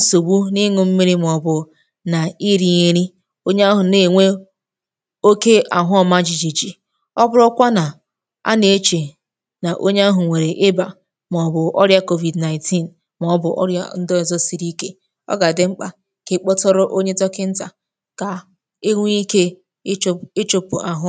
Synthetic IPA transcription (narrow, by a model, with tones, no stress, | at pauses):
so˨bu˦ni˦ŋʊ˨m̩˦mi˦ɾi˦m˨ɔ˨bʊ˨ | na˨i˦ɾi˦ɲe˦ɾi˦ | o˦ɲe˦a˦ɦʊ˨ne˨ŋʷe˦ | o˦ke˦ʔa˨ɦʊ˦ɔ˨ma˦d͡ʒi˨d͡ʒi˨d͡ʒi˨ | ɔ˦bʊ˦ɾɔ˦kʷa˦na˨ | a̰˦ne˨e˦t͡ʃe˨ | na˨ʔo˦ɲe˦a˦ɦʊ˨ŋʷe˨ɾe˨ʔɪ˦ba˨ | m˨ɔ˨bʊ˨ʔɔ̰˦ɾja˦ko˦vi˨dna˨ɪ˨nti˦˨n | mɔ˨ɔ˦bʊ˨ʔa̰˦n̩˦dɔ˦e˨zɔ˦si˨ɾi˦ke˦ | ɔ̰˦ɡa˨dɪ˦ŋ͡m̩˦k͡pa˨ | ke˨k͡pɔ˦tɔ˦ɾʊ˦ʔo˦ɲe˦tɔ˦kɪ˦n̩˦ta˨ | ka˨ | e˦ŋʷ˦i˦ke˦ | ɪ˦t͡ʃo˦pʊ̰˨ʔa˨ɦʊ˦